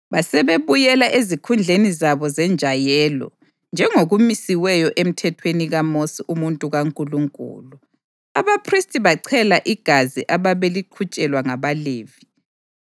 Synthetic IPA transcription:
βasɛβeβujɛlaʔezikʰund͡ɮʱenizaβɔzɛnd͡ʒʱajɛlɔ̰ | nd͡ʒʱɛŋoɣumisiwɛjɔʔem̩tʰɛtʰweniɣamosiʔumuntʼuɣaŋkʼuluŋkʼṵːlu | a̰βapʰristʼiβaǀʰɛlaʔiɡ̥ʱaziʔaβaβeliǃʰut͡ʃʼɛlwaŋaβaleːvi

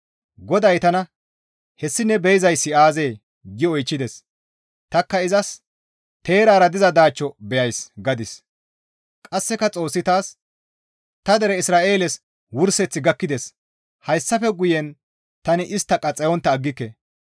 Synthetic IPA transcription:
ɡɔd̪ɐjt̪ɐnɐ | hɛsːɪnɛbɛjɪzɐjsːɪaːze̞ː | ɡɪɔjt͡ʃːɪd̪ɛs | t̪ɐkːɐɪzɐs | t̪e̞ːɾaːɾɐd̪ɪzɐd̪aːt͡ʃːɔbɛjɐjsɡɐd̪ɪs | kʼɐsːɛkɐt͡sʼo̞ːsːɪt̪aːs | t̪ɐd̪ɛɾɛɪsɾaːʔe̞ːlɛs | wʊɾsɛt͡sːɪɡɐkːɪd̪ɛs | hɐjsːɐfɛɡʊjɛn | t̪ɐnɪʔɪst̪ːɐkʼɐt͡sʼɛjɔnt̪ːɐːɡːɪkːɛ

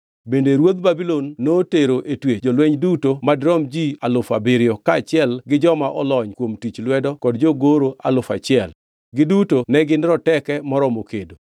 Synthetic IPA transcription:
bendeɾwod̪̚babilonːoteɾoʔetwed͡ʒolwɛɲdutomadɾɔmd͡ʒialʊfabeɾɪjɔkaːt͡ʃɪɛlɡɪd͡ʒɔmaʔɔlɔɲkwomtit͡ʃlwɛdɔkɔdd͡ʒoɡoɾoalʊfa̰t͡ʃɪɛl | ɡɪdutonɛɡɪnɾɔtɛkɛmɔɾɔmokedo

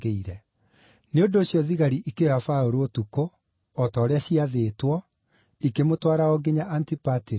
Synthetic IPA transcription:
eiɾɛ | neondoːɕjɔðiɣaɾiʔikeɔafaoɾootukoː | tɔːɾeaɕiaðeːtwɔ | ikemotwaɾaɔɡeɲaʔantipate

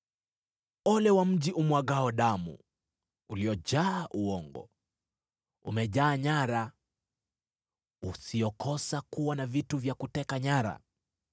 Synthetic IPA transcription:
ɔlɛwam̩ʄiʔumwaɡaɔɗamṵ | uliɔʄaːʔuɔŋɡɔ̰ | ṵmɛʄaːɲaɾa | usiɔkɔsakuwanavituvjakutɛkaɲaɾa̰

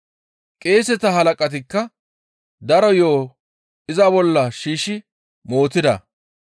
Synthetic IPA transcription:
kʼe̞ːsɛt̪ɐɦɐlɐkʼɐt̪̬ɪkːɐ | d̪ɐɾɔjo̞ː | ɪzɐbɔlːɐʃiːʃɪ | mo̞ːt̪ɪd̪ɐ̰

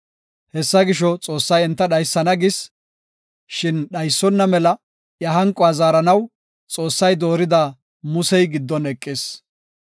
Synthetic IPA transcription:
hɛsːɐɡɪʃɔt͡sʼo̞ːsːɐjɛnt̪ːɐɗɐjsːɐnɐɡɪs | ʃɪnɗɐjsːɔnːɐmɛlɐ | jɐɦɐŋkʼːɔɐzaːɾɐnɐw | t͡sʼo̞ːsːɐjd̪o̞ːɾɪd̪aː | mʊsɛjɡɪd̪ːɔnɛkʼːɪs

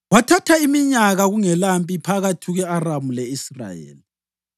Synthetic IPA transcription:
watʰatʰaimiɲaɣaɣuŋɛlampʼipʰaɣatʰiɣɛaramulɛisra̰jḛːli

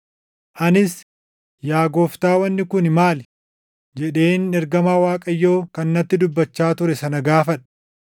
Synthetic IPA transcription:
ʔɐnɪs | jaːɡo̞ːft̪aːwɐnːɪkʊnmaːl | d͡ʒɛᶑe̞ːnɛɾɡɐmaːwaːkʼɐjːo̞ːkɐnːɐt̪ːɪd̪ʊbːɐt͡ʃːaːt̪ʊɾɛsɐnɐɡaːfɐᶑɐ̥

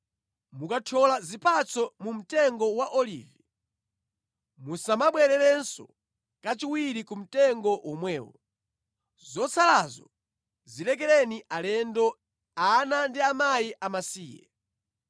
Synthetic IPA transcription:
mukatʰɔlazipat͡sʰɔmum̩tɛŋɡɔwaʔɔlḭːvi | musamaɓwɛɾɛɾɛnsɔ̰ | kat͡ʃiwiɾikum̩tɛŋɡɔwʔɔmwɛːwɔ̰ | zɔt͡sʰalazɔ | zilɛk̬ɛlɛniʔalɛndɔ | anandiamajiʔamasiːjɛ̰

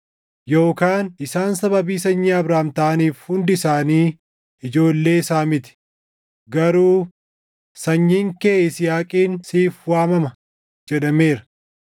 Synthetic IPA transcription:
jo̞ːkaːnɪsaːnsɐbɐbiːs̬ɐɲːiɐbɾaːmt̪aːniːfhʊnd̪ɪsaːniː | ɪd͡ʒo̞ːlːe̞ːɪsaːmɪt̪ɪ̥ | ɡɐɾuː | sɐɲːiːŋkeːɪsɪjaːkʼiːnsiːfwaːmɐmɐ | d͡ʒɛᶑɐme̞ːɾɐ̥

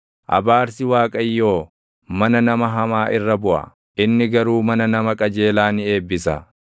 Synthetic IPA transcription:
ʔɐ̰baːɾsɪwaːkʼɐjːo̞ː | mɐnɐnɐmɐɦɐmaːʔɪrːɐbʊʔɐ̰ | ʔɪnːɪɡɐɾuːmɐnɐnɐmɐkʼɐd͡ʒe̞ːlaːnɪe̞ːbːɪsɐ̰

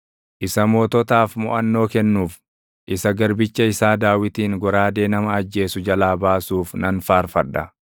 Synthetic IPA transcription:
ʔɪsɐmoːt̪ɔt̪aːfmʊ̰ʔɐnːo̞ːkɛnːuːf | ʔɪsɐɡɐɾbɪt͡ʃːɐɪsaːd̪aːwɪt̪iːŋɡɔɾaːd̪e̞ːnɐmɐɐd͡ʒːe̞ːsʊd͡ʒɐlaːbaːsuːfnɐnfaːɾfɐᶑːɐ̰

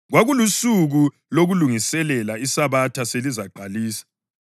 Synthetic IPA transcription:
ɣwaɣulusuɣu | loɣuluŋisɛlɛlaisaβatʰaselizaǃaliːsḁ

